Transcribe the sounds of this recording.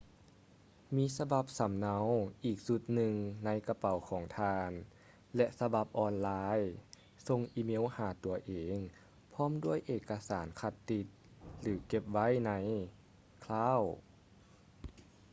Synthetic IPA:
miː˧˥˨sa˧ba˧˦p̚sa˨˩˦mna˧˥wʔiː˨˩k̚su˧˦t̪̚nɯ˨˧ŋna˧˥jka˧pa˨˩˦wkʰɔː˩˦ŋt̪ʰaː˧n | lɛ˧sa˧ba˧˩p̚ʔɔː˧nlaː˧˥j | so˧ŋʔiː˧meː˧˥˨whaː˨˩˦t̪u˨˩ɐʔeː˨˦ŋ | pʰɔː˧˥˨mdu˥˩˨əjʔeː˧˩kːa˧saː˩˦nkʰa˧˩t̪ːi˧t̪̚ | lɯː˩˦ke˧˥p̚ʋa˦˥˨jna˧˥j | kʰlaː˧˥˨w

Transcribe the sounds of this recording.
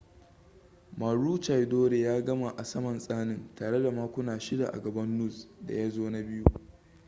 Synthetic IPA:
maː˨ɽuː˦t͡ʃa˨jdoː˦ɾe˨jaː˦ɡɐ˦ma˨ʔa˨sɐ˦mɐ˨nsʼaː˦nɪ˦ntaː˨ɽe˦da˨maː˦kʷʊ˦naː˨ʃɪ˦da̰˨ʔa̰˨ɡɐ˨bɐ˦nːʊ˦˨sda̰˨ja˦zoː˦na˦bɪ˦ju˦ʔ

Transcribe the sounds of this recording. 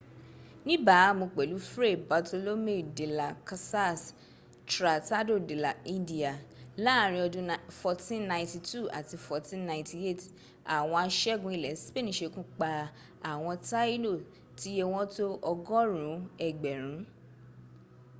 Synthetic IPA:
nĩ˦ba˨˦mõ˧k͡pɛ˨lu˨˦fɾe˦˨ba˨to˧lo˦me˦˨de˨la˨ka˧sa˦s | tɾa˨ta˦do˦˨de˨la˨ĩ˦ndi˦˨a˨la˦˨˦ɾ̃ĩ˧˦ɔ˧dũ˦fɔ˧tĩ˦nnã˧ĩ˧ti˧tu˦˨a̰˨ti˧fɔ˧tĩ˦nnã˧˨ĩ˦ti˨e˦˨t | a˨w̃ɔ̃˧a˧ʃɛ˦ɡũ˧i˨lɛ˨˦si̥˦be˦˨nĩ˨˦ʃe˧kũ˦k͡pa˧ | a˨w̃ɔ̃˧ta˦i˦lo˦˨ | ti˨˦je˧w̃ɔ̃˦to˦ɔ˧ɡɔ˦ɾũ˨˦ɛ˨ɡ͡bɛ˨ɾ̃ũ˨˦

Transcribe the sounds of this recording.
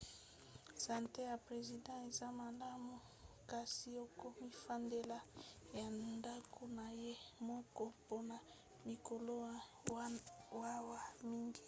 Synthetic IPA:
sa˨nte˦ja˨pʁe˨zi˨dã˦e˨za˦ma˨la˦mu˨ | ka˨si˨o˦ko˦mi˦fa˦nde˦la˦ja˨nda˦kʰo˨na˨je˦mɔ˦kɔ˦po˦na˨ | mi˨ko˨lo˦ | wa˦wa˨mi˦ŋɡi˦

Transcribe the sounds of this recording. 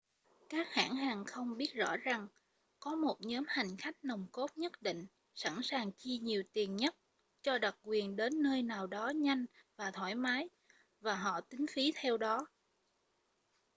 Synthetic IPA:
kaː˦˥k̚ha̰ː˧˥˨nɦaː˨˩ŋxə˧wŋ͡mɓi˦˥ət̚zɔ̰˧˥za˨˩ŋ | kɔ˨˦mo˨˩t̚ɲɔː˨˦mha˨˩jŋ̟xa˦˥jk̟̚nə˨˩wŋ͡mko˦˥t̚ɲə˦˥t̚ɗḭ˧˨ŋ̟ | sa̰˧˩nsaː˨˩ŋt͡ɕi˧ɲi˨˩əwt̪i˨˩ənɲə˦˥t̚ | t͡ɕɔ˧ɗə˨˩k̚kwi˨˩ənɗe˨˦nːəː˧jnaː˨˩wɗɔ˨˦ɲa˧jŋ̟vaː˨˩t̪ʰwaː˧˩jmaː˨˦j | vaː˨˩ɦɔ̰˧˨t̪ï˨˦ŋ̟fi˨˦t̪ʰɛ˧wɗɔ˨˦

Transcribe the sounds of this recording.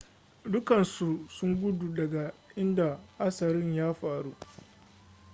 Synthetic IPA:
dʊ˦kɐ˨nsu˨sʊ˦ŋɡʷʊ˦du˨dɐ˨ɡa˨ʔɪ˦nda˨ʔa˦sɐ˨ɾɪ˦ɲjaː˦ɸaː˨ɽu˦

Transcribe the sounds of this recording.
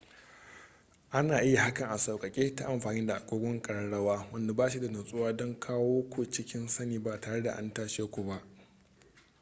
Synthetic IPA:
ʔa˦naː˨ʔɪ˦ja˨ha˦kɐ˨ŋʔa˨sɐ˨wkʼɐ˨kʲʼeː˦ta˦ʔa˨mɸaː˨nɪ˦da˨ʔa˨kʷʼoː˦ɡʷɔ˦ŋkʼɐ˨ɽɐ˦ɽɐ˦waː˦wɐ˦nda˨baː˦ʃi˦da˨nɐ˨sʼʊ˦waː˦dɔ˦ŋkʰaː˦woː˦kʷu˨t͡ʃɪ˦kʲɪ˦nsɐ˦niː˨ba˨taː˨ɽe˦da̰˨ʔa̰˦ntaː˦ʃeː˦kʷu˨ba˦ʔ

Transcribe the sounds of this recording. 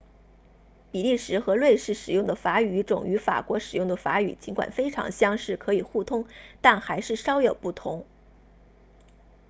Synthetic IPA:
pi˨˩li˥˩ʂɻ̩˧˥xɤ˧˥lwe˥˧ɪʂɻ̩˥˩ʂɻ̩˨˩jʊ˥˩ŋd̪ə˩fa˧˥y˨y˧˥ʈ͡ʂʊ˨˩ŋy˧˥fa̰˨˩kwɔ˧˥ʂɻ̩˨˩jʊ˥˩ŋd̪ə˩fa̰˧˥y̰˨˩t͡ɕi˧˥nkwa̰˨˩nfe˥ɪʈ͡ʂʰɑ̰˧˥ŋɕjɑ˥ŋʂɻ̩˥˩kʰɤ˧˥i˨˩xu˥˩t̪ʰʊ˥ŋt̪a˥˩nxa˧˥ɪʂɻ̩˥˩ʂɑ˥ʊjo˨˩ʊpu˥˩t̪ʰʊ̰˧˥ŋ

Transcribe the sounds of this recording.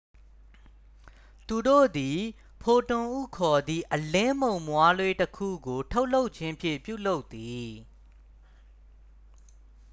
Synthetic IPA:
t̪u˨do̰˦˨d̪i˨ | pʰo˨tʊ̃˨ʔṵ˦˨kʰɔ˨d̪ði˦˨ʔəlɪ̃˦mõ˨ʊ̃mwa˦lwe˦təkʰṵ˦˨ɡo˨tʰo˦ʊʔlo˦ʊʔt͡ɕʰɪ̃˦mpʰjɪ̰̃˦˨pjṵ˦˨lo˦ʊt̪ːi˨

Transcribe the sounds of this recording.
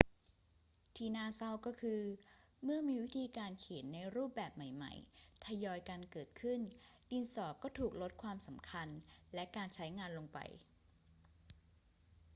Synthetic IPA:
t̪ʰiː˧naː˧˩sa˥˩wkɔː˥˩kʰɯː˧ | mɯ˥˩ɐmiː˧wi˦˥t̪ʰiː˧kaː˧nkʰeː˨˩˦t̪̚na˧jɾuː˥˩p̚bɛː˨˩p̚ma˨˩jma̰˨˩jt̪ʰa˧jɔː˧jka˧nkɤː˨˩t̪̚kʰɯ˥˩ndiː˧nsɔː˨˩kːɔː˥˩t̪ʰuː˨˩k̚lo˦˥t̪̚kʰwaː˧msa˩˦mkʰa˧nlɛ˦˥kaː˧nt͡ɕʰa˦˥jŋaː˧nlo˧ŋpa̰˧j

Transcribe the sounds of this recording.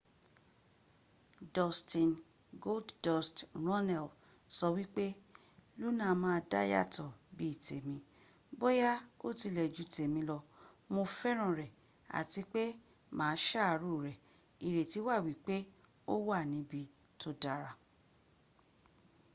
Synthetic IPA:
dɔ˨stĩ˨n | ɡo˦lddɔ˨stɾ̃ɔ˦nɛ˨l | sɔ˧wi˦k͡pe˦ | lu˦nã˦˨˦mãː˦˧da̰˦ja̰˦tɔ˨bi˦i˦˨te˨mĩ˧ | bo˦ja˦o˦ti˧lɛ˨d͡ʒu˨˦˨te˨mĩ˧˦lɔ˧ | mo˧fɛ˦ɾ̃ã˦˨ɾɛ˨ | a̰˨ti˧k͡pe˦ | mãː˨˦ʃa˦˨ɾu˦˨ɾɛ˨ | i˨ɾe˨ti˨˦wa˦˨wi˨˦k͡pe˦ | o˦wa˦˨nĩ˨˦bi˧ | tʰo˦da˨ɾa˧

